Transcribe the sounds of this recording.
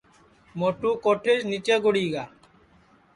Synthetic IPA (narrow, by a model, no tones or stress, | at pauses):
mɔʈukɔʈʰeʃnit͡ʃeɡoɽiɡa